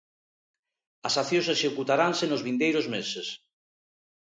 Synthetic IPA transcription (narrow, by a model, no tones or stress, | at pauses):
ɐsaθjõseʃekut̪aɾansenozβind̪ejɾozmeses